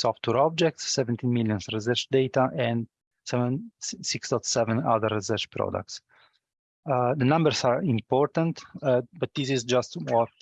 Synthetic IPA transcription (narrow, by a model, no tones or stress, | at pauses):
sɔft̪ʰwɛɾɔb̚d͡ʒɛk̚tsːɛvɛ̃nt̪ĩnmilˠjɔ̃nsɹizɛɾt͡ʃd̪eɪt̪aʔɛ̃nd | sɛvɛ̃nsiksd̪ɔt̪sɛvɛ̃na̰ðəɾːisɛɾt͡ʃpɾɔ̰da̰k̚t̪s | d̪ənãmbəɹsaɹĩmpɔɹt̪ãnt̪bat̪̚d̪isizd͡ʒast̪ɔt